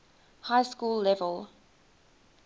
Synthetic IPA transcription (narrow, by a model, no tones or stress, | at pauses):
haɪskuːlːɛvəlˠ